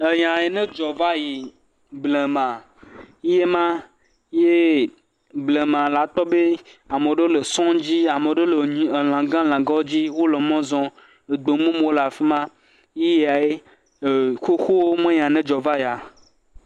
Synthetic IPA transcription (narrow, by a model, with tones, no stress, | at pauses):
e˨ɲã˨e˨nẽ˦d͡ʒɔ˨va˦ji˨ | blẽ˨mã˨˦ | je˦mã˦ | je˦ | blẽ˨mã˨la˨t̪ɔ˦be˦a˨me˨ɖo˦le˨sɔ̃˦d͡ʑi˦a˨me˨ɖe˦le˨ɲi˨e˨lã˨ɡã˦l̃ã˨ɡɔ˦d͡ʑi˦wo˦lɔ˨mɔ̃˦zɔ̃˦ | e˨ɡ͡bo˨˦mũ˦m˨wo˦la˨fi˦mã˦ | ji˦je˨a˨e˦˨ | xo˦xo˦wo˦mẽ˦ɲã˨nẽ˦d͡ʒɔ˨va˦ja˨